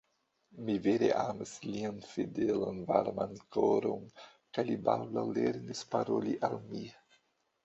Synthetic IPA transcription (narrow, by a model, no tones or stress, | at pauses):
miveɾḛʔamislianfidelanvaɾmankoɾon | kajlibald̪awleɾnispaɾoliʔalmi